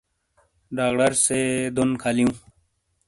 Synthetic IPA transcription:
ɖaːkʈəɾsed̪onkʰalijũː

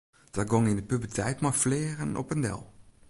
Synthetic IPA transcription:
d̥ɔɡɔŋɪndəpybətʰɛjtmaflɪːrənɔ̰pəndɛ̰lˠ

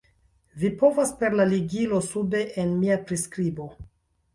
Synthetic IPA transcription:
vipo̞vaspe̞ɾlaliɡilo̞sube̞ʔenmiapɾiskɾibo̞

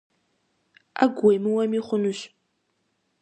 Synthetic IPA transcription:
a̰ɡʷojmɨwɐmiχʷʊnuɕ

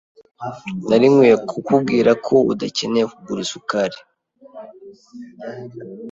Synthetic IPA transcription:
naɾiŋwekʰukub̚ɡiːɾakʰo̞ṵdace̞nebuɾisukaɾe

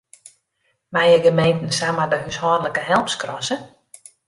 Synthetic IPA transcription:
majəɡəmejntn̩samadəɦyshɔːdələkəɦɛlˠmskrɔsə

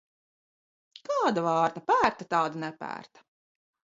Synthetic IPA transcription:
kɑːd̪avɑːɾt̪apæːɾt̪at̪ɑːd̪anɛpæ̰ːɾt̪ḁ

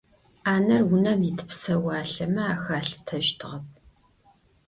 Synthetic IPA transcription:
aːnɐrwʊnɐmitʰpsɐwaːɬɐmɐaːxaːɬtʰɐʒtʰɨʁɐp̚

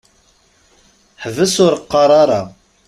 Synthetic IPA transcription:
ħəvəsʊɾqːɑɾˤɑɾˤɑ

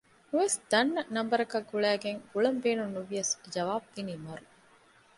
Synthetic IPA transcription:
nuʋesd̪̥ɐnːɐnɐmbɐɾɐkɐɡuɭæːɡeŋɡuɭɐmbeːnunːuʋijɐsd͡ʒɐʋaːb̚ːiniːmɐɾu

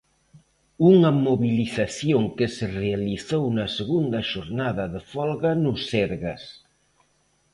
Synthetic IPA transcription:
uŋɐmoβiliθaθjoŋkɪserealiθownɐseɣund̪ɐʃoɾnaðɐðefɔlɣɐnʊseɾɣas

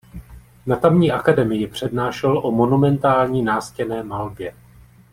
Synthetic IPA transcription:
nat̪amɲiːʔakadɛmɪjɪpr̝̥ɛdnaːʃɛlʔo̞mo̞numɛnt̪aːlɲiːnaːscɛnɛːmalbjɛ

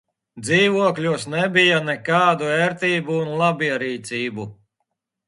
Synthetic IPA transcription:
d̪ziːvuɔklʲuɔsnɛbijanɛkaːd̪uɛːɾt̪ʲiːbuːnlˠabiɛɾiːt̪siːbu

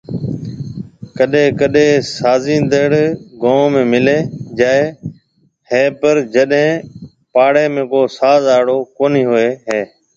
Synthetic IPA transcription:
kəɗẽːkəɗẽːsaːziːnd̪əɽɡõːmẽːmɪleːd͡ʒaːeː | ɦeːpəɾd͡ʒəɗɦẽː | paːɽeːmẽːkoːsaːzaːɽoːkoːniːɦoːeːɦeː

